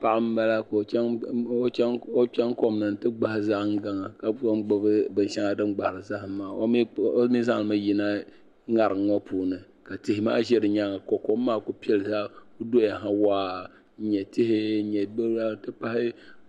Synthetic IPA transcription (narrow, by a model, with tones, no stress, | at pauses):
pa˦ʔɨ˦m˦ba˦la˦ko˨˦ŋo˦o˦t͡ʃɛ˦ŋko˦mnɨ˨n˨tɨ˦ɡ͡ba˦hɪ˦za˦ʔŋ˦ɡa˨ŋa˨ka˨a˦ɡ͡bʊ˦bɨ˦bɨ˨n˦ʃa˦ŋa˨dɨ˦mɡ͡ba˨hɾɨ˨za˦ʔaː˨˦o˦mi˦za˦ŋ˨ɨ˨mɨ˦ji˨na˦ | ŋa˨ɾɨ˨ŋ˦ŋɔ˦pʰuː˨nɨ˨ | ka˨tɪ˨hɪ˨ma̰ː˦ʒɛ˦ɾɨ˨ɲa˦ŋa˨ko˨ko˦mː˦aː˦ko˦pi˦ɛ˨lɨ˨za˦ʔo˦do˦ja˨ɦa˦waː˦˨ | ɲɛ˨tɪ˦hɪ˦˨˦ɲɛ˨bɨ˦la˦˨tɨ˦pa˦hɪ˦